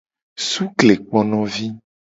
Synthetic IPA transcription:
su˦kle˨k͡pɔ̃˦nɔ̃˦vi˦

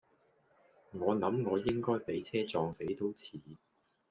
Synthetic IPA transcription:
ŋɔː˨˧nɐ˨˥mŋɔː˨˧jɪ˥ŋkɔː˥jpe˨˥jt͡sʰɛː˥t͡sɔː˧ŋse˨˥jt̪o˥wt͡sʰiː˨˥˦

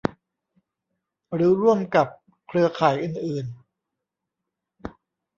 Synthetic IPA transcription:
ɾɯː˩˦ɾu˥˩əmka˨˩p̚ | kʰɾɯ˧ɐkʰaː˩˦jʔɯː˨˩nʔɯː˨˩n

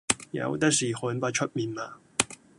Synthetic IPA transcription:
jɐ̰˨˧wt̪ɐ˥k̚siː˨hʊ˨˥npaː˧t͡ʃʰɵ˥t̚miː˨˩nmaː˨

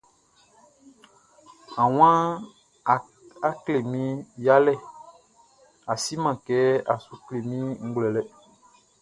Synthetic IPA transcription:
ã˨w̃ã˦˨ | a˦kle˨mĩ˦ja˦lɛ˦˨ | a˨si˦mã˨kɛ˨˦a̰˨su˨kle˨mĩ˦ŋ̩˦ɡlɛ˨lɛ˦

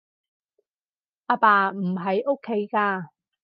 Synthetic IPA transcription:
ʔaː˧paː˧m̩˨˩ɦɐ˨˥jʔo˥kʰːe˨˥jkaː˧

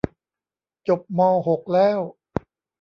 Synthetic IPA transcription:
t͡ɕo˨˩p̚mɔː˧ɦo˨˩k̚lɛː˥˩w

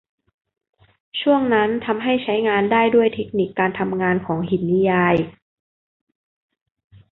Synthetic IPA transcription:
t͡ɕʰu˥˩əŋna˦˥nt̪ʰa˧mɦa˥˩jt͡ɕʰa˦˥jŋaː˧ndaː˥˩jdu˥˩əjt̪ʰe˦˥k̚ni˨˩kːaː˧nt̪ʰa˧mŋaː˧nkʰɔː˩˦ŋhi˨˩n̚ni˦˥jaː˧j

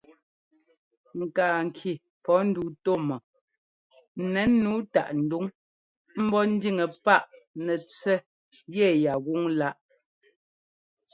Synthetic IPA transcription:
ŋ̩˨kaː˨ŋ̩˨kʰi˨ | pɔ˨˦n̩˦du˨˦to˦˨mɔ˨ | nɛ˨˦nː˦uː˨˦ta̰˦˨ʔn̩˨du˦ŋ | m̩˦bɔ˦n̩˦di˦˨ŋə˨pa˦ʔnɛ˨t͡sɛ˦ | jɛ˦˨ja˨ɣu˦ŋla˦ʔ

